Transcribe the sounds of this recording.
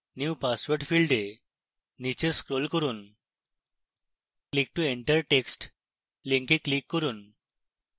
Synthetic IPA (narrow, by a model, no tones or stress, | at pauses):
njuːpasʋəɾʈfilɖe | nit͡ɕeskɾolkəɾuːn | klik̚ʈueɳʈəɾʈeksʈ | liŋkiklikːəɾuːn